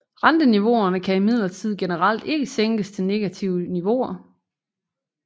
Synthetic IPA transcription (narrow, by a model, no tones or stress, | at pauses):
ʁɑnd̥əniʋo̝ɐnəkʰæimið̞̰ˠlɐt͡sʰið̞̰ˠɡ̥enəʁɑl̰d̥e̝ɡ̥əseŋ̰ɡ̥əst͡sʰe̝ne̝ɡ̥æt͡sʰiʊəniʋo̝ɐ